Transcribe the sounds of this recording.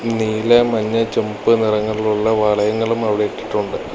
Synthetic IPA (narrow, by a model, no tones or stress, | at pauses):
niːlemɐɲːɐt͡ɕembɨnirɐŋːɐɭiluɭːɐʋɐɭɐjɐŋːɐɭumɐʋiɽeekːi̥ʈːuɳɖɨ